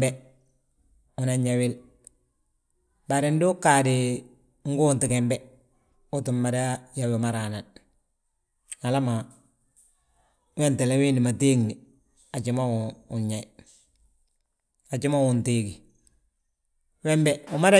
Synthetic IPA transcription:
bɛ | u˨na˨ɲawɪ˦l | baɾindu˦kadi | ŋ̩˦ɡuː˦nti˨kɛmbe˦ | u˦tu˨mːa˨dajawu˨ma˦ɾana˨n | a˨la˦ma | we˦nte˨lewi˦ni˨ma˨teː˦ŋni | a˨t͡ʃima˦u˨ɲɲa˨i | a˨t͡ʃi˦ma˦wu˨ntiːɡi˨ | wɛ˦mbeʊma˦ɾa˦

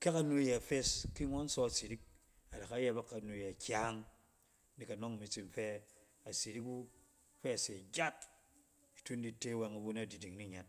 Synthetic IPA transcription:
ka˦ka˦nu˦je˨a˨fe˦ski˦ŋɔ˦n̩˦sɔ˦a˨si˨ɾi˦k̚ | a˨da˨ka˦je˦ba˦kːa˨˦nu˨je˨a˨kʲa˦ŋ˦ | ni˨ka˨no˦ŋ˨mi˦t͡si˨m̩˨fe˦ | a˨si˨ɾi˦ku˦ | fe˦a˨se˨d͡ʒʲa˦t̚ | i˨tu˦n̩˦di˦te˦we˨ŋu˨˦ɡu˦n˦a˦˨di˨di˨ŋni˦˨ɲa˦t̚

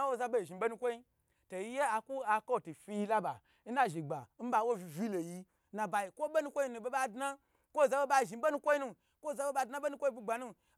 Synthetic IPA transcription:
a˦wo˦za˧bo˦i˨ʒi˨bo˦nu˧kʷo˦i˦ | to˨ji˦je˦a˧ku˦a˧ko˦˨tu˨fi˧ji˧la˦ba˨ | n̩˦na˦˨ʒi˨ɡ͡ba˨n̩˦ba˧˦wo˦i˨vʲi˦lo˨ji˧ | na˨ba˨ji˨kʷo˦be˦nu˦˧kʷo˦i˧˦nũ˧˨˦be˦ɓa˦˨dna˦ | kʷo˦˨za˧˦be˦ba˧i˨ʒi˨˦bo˦nu˧˦kʷo˦i˦nu˧ | kʷo˦˨za˧be˦ɓa˧˨na˦be˦nu˦kʷo˦i˦bu˦ɡ͡ba˨nu˦

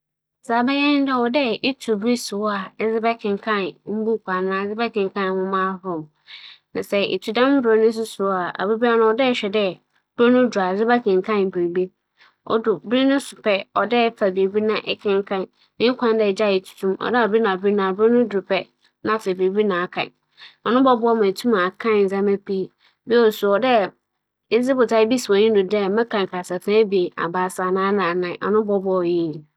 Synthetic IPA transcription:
sa˨bɛ˦jɛ̃˦n˦dɛ˦˨ɔ˨dɛ˦ɪ˦tʰu˨bɾi˦sʊ˨˦a˨˦zɪ˦bɛ˦kʰɪ̃˨ŋ˨kʰã˦˨n˦m̩˦bu˦kʰʷa˨nãː˨˦˨d͡zɪ˦bɛ˦kʰɪ̃˨ŋ˨kʰã˦n˨hʊ̃˦mã˦ɦʊ̃˦˨m | nã˨sɛ˨ḛ˨tʰu˨dã˦m˦bo˨˦nʊ̃˦s̬ʊ˦sʊ˨˦a˨a̰˨bu˦bi˦a˦nʊ̃˦ɔ˨dɛ˦˨˦ɕᶣɛ˨dɛ˦ | b̥ɾo˦nʊ̃˦dʊ˨a˨zɪ˦bɛ˦kʰɪ̃˨ŋ˨kʰã˦n˨bi˨bi˦ | ɔ̰˨dʊ˨bɾi˦nʊ̃˦sʊ˨pʰɛ˦ɔ˨dɛ˦fa˨be˨bi˦nã˨ʔɛ˨kʰɪ̃˦ŋ˦kʰã˦n | mĩ˦kʷʰã˦ndɛ˦˨d͡ʑa˦˨jɪ˨tʰu̥˨tʰũ˦mɔ̰˨dɛ˦ɔ˨bi˦nã˨bi˦nã˨bo˦nʊ̃˦dʊ˨pʰɛ˦ | nã˦fɛ˨bi˨bi˦nã˨a˨kʰã̰˨ | ɔ˨nʊ̃˦bɔ˦bʊ˦ɔ˦mã˨tʰu˦mã˨a˨kʰã˦n˨n̩˨zã˦mɛ̃˦pʰi˦ | bi˦ɔ˦˨sʊ˨ɔ˨dɛ˦˨˦ | zɪ˦bʊ˨tʰa˦bi˦si˨ɔ̃˨ɲĩ˦dʊ˨dɛ˦mã˦kʰã˨ŋ˨ka˨sa˨fã˦bi˨e˨ʔa̰˨baː˨˦˨sa˨nãː˦nã˨nã˨ʔɔ̰˨nʊ̃˦bɔ˦bʊ˦˨ji˦˨

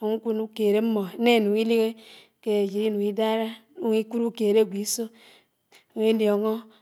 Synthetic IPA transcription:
o˨ŋ̩˦kʷu˦nu˦ke˨ɾe˦m̩˦mo˨˦ne˦˨nu˨i˦li˦ɣe˦ | ke˦e˨d͡ʒi˨i˦nu˨i˦da˦ɾa˦u˦ŋi˦ku˦ɾu˦ke˨ɾe˦˨ɡʷi˨˦so˦˨ | ŋ˦i˦ljo˨ŋo˦

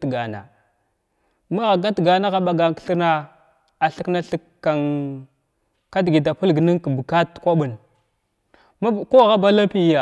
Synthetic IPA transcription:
tɡa˨na̰˨ | ma˦ɣa˨ɡa˦tɡa˨na˦ɣa˦ɓa˨ɡa˨kɬə˦na˦ | a˨ɬə˦kna˦ɬə˦kː | a˨ŋ | ka˦dɡi˨da˨pə˦lɡni˦ŋkbə˨ka˦tkʷa˦ɓu˨l | ma˦˨ko˦˨ɣa˦ba˦la˦pi˦ja˨

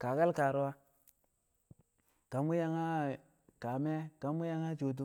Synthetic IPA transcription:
ka˨ka˦lka˨ɾo˦wa˦ | ka˨mu˦ja˦ŋa˦ | ka˨me˦ka˨mu˦ja˦ŋa˦t͡ʃo˨t̬u˦

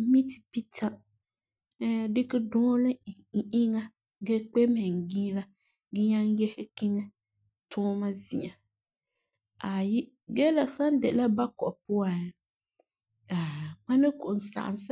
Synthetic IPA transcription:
mi˦ti˨pi˦tʰa˨˦ | dɪ˦kɪ˦dɔ̃ː˦lɪ˦ | ʔɪ˦ŋa˦ | ɡɛ˦k͡pɛ˦mɛ˨ŋ˨ɡiː˦ɾa˦ | ɡɪ˦ɲa˦n˦jɛ˦hɪ˦kɪ˦ŋɛ˦ | tʰʊː˦ma˦zɪ˨a˨ | a˨ji˦ | ɡɛ˦la˨sa˦n˦dɛ˨la˦ba˦kɔ˨ʔpʊ˦a˨ | a˨k͡pa˦nɪ˦kʊ˨ʔn˨sa̰˨ʔa̰˨nsa˦

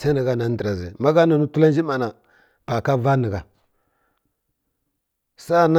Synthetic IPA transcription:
sa˦nə˨ɡa˦na˨n˦dɾa˨ze˨ma˦ɡa˦nu˨nu˦tu˦la˦n˦d͡ʒi˦ma˨na˨ | b̥a˨ka˦va˦nə˨ɡa˨ | sa˦˨n˦

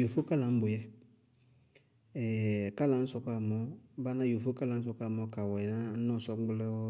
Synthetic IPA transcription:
jo˨fo˦ka˦lã˨m̩˦bo˨jɛ˦ | ɛ˨ka˦lã˨˦sɔ˦ka˦˨mɔ˨˦ba˦nã˦jo˨fo˦ka˦la˨˦n̩˦s̬ɔ˦ka˦˨mɔ˨ka˨wɔ˨ɛ˨nã˦nɔ̃˦˨sɔ˦ɡ͡blɛ˦ɔ˦

